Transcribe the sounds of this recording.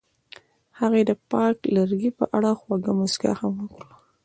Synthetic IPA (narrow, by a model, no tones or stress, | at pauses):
haɣed̪əpɑklaɾɡipə̰ʔaɽaxwaɡamʊsɡa̰hamwəkɽu